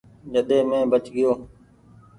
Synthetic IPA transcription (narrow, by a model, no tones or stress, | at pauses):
d͡ʒəɗ̪eːmẽːbət͡ʃɡɪjoː